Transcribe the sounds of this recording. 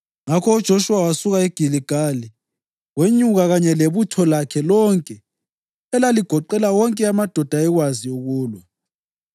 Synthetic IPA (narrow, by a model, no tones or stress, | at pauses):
ŋakʰɔud̥ʒ̥ʱoʃuwawasuɣaɛɡ̥ʱiliɡ̥ʱali | ɣweɲuɣaɣaɲɛleβutʰɔlakʰɛlɔŋkʼɛ | ɛlaliɡ̥ʱɔǃɛlawɔŋkʼɛamad̥ʱɔd̥ʱaɛɣwazijoɣuːlwɔ